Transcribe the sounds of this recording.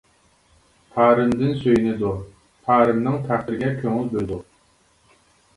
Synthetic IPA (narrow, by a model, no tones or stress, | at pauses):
pʰɑːɾɨmd̪ɪnsøjnɪd̪uɾ | pʰɑːɾɨmnɨŋt̪ʰæqɨɾɡʲɛkʲʰøŋylʲbøjd̪ʊ